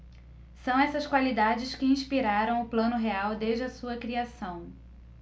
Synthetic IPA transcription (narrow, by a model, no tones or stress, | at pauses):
sɐ̃w̃ɛsɐskwalid̪ad͡ʒɪskɪĩʃpiɾaɾɐ̃w̃ʊplɐ̃nʊɦeawd̪eʒd͡ʒɪɐsuɐkɾiasɐ̃w̃